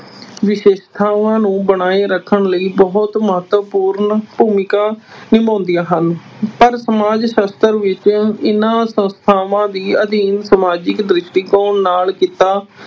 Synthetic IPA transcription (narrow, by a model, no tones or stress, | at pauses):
ʋɪʃeːʃt̪ʰaːʋãːnũːbəɽ̃aːeːɾəkʰːəɳləiːbɔɦʊt̪məɦət̪ʋəpuːɾnpuːmɪkaːnɪmõːnd̪ijaːɦən | pəɾsəmaːd͡ʒʃəst̪əɾʋɪt͡ʃɪnãːsə̃nst̪ʰaːʋãːd̪iːəd̪iːnsəmaːd͡ʒɪkd̪ɾɪʃʈiːkoːɳnaːlkit̪aː